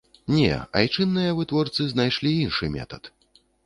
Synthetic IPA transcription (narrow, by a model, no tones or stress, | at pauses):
nʲɛ̰a̰jt͡ʂɨnːɨjɐvɨt̪vɔrt̪sɨznajʂlʲiinʂɨmʲɛ̰t̪ɐt̪